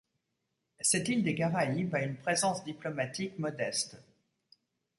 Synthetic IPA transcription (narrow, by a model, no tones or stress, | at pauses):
sɛt̪ild̪eɡaʁaibaynpχezɑ̃sd̪iplɔmat̪ikmɔd̪ɛst̪